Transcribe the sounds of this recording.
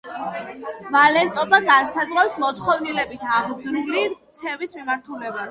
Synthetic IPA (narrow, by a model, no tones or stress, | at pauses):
valɛnt̪ʼɔbaɡansad̪zʁafsmɔt̪χɔvnilɛbit̪ʰaʁd̪zɾuliɾt̪sʰɛvismimaɾt̪ʰulɛba